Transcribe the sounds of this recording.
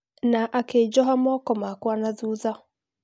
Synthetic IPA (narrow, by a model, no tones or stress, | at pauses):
naʔaked͡ʒɔɦamɔkɔmakwanaðuða